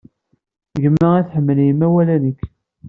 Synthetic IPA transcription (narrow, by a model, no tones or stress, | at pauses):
ʝəməiθħəmːəljəmːæwælænəkː